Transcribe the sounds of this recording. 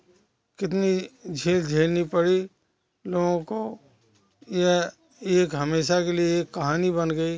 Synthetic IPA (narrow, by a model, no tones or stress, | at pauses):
kɪt̪̬nid͡ʒʱeːld͡ʒʱeːlnipəɽi | loːɡõko | je | eːkɦəmeːʃakelieːkːɐɦaːnibənɡəi